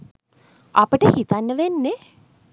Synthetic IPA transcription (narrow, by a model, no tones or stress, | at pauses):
apəʈəhit̪anːəʋenːe